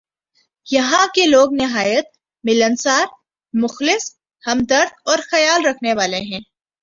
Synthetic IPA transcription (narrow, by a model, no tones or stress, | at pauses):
jɐɦãkeloːɡnɪɦaːjət̪̚ | mɪlənsaːɾ | mʊxlɪs | hɐmd̪ɐɾd̪ɔːɾxɐjaːlɾɐkʰneʋaːleɦɛ̃ː